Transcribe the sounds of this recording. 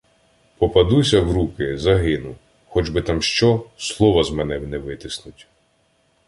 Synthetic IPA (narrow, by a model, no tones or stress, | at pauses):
pɔpɐd̪usʲɐwɾukɪzɐɦɪnʊ | xɔd͡ʒbɪt̪amʃt͡ʃɔslˠɔʋɐzmɛnɛwnɛʋɪt̪ɪsnʊtʲ